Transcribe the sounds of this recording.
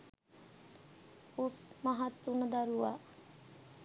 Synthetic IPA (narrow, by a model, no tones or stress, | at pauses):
usmaɦat̪ːunəd̪aɾuʋa